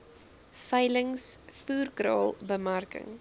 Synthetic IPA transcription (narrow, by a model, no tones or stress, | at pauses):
fəjləŋsfuːrkrɑ̰ːlˠbəmarkə̰ŋ